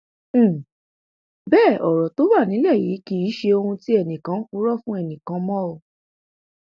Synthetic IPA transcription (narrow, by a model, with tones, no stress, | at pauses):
bɛː˦˨ʔɔ˨ɾɔ˨to˨˦wa˦˨nĩ˨˦lɛ˦˨ji˨˦ki˧˦i˨˦ʃe˧o˧hũ˧ti˦ɛ˦˨nĩ˨kã˨˦ku˦ɾɔ˦fũ˦ɛ˦˨nĩ˨kã˧˦mɔ̃˦o˧˨